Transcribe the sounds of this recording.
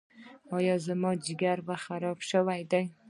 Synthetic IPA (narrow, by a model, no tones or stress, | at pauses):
ɒjazɪmɒd͡ʒɪɡʲaɾvaχaɾɒpʃavajd̪ɪŋ